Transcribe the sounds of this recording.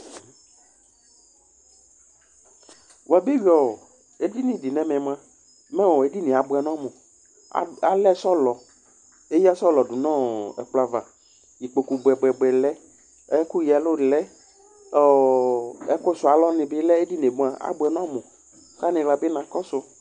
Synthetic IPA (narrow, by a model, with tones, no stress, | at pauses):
wa˨be˦wi˦ɔ˨ | e˦di˦nĩ˨dɪ˨nɛ̃˨mɛ̃˨m˨ã˦ | mɛ̃˦wɔ˨e˦di˦nɪ̃˨a˨bʊ˨ɛ˨nɔ̃˦mʊ̃˨˦ | a˦lɛ˦sɔ˦lɔ˨ | e˦ji˦a˦sɔ˦lɔ˨dʊ˨nɔ̃˦ɛ̰˨k͡pla˨va˨ | ji˨k͡po˨ku˨bɛ˨bɛ˨ɡ͡bɛ˨lɛ˦ | ɛ˦ku˦ji˨ɛ˨lo˦˨lɛ˦ | ɛ˦kʊ˦sʊ˨a˨lɔ˦nɪ̃˨bɪ˦lɛ˦e˦di˦ne˨ɡ͡bũ˦a˨a̰˦bʊ˨ɛ˨nɔ̃˦mʊ̃˨˦ | ka˦nɪ̃˨la˨bɪ˦nã˨kɔ˦sʊ˨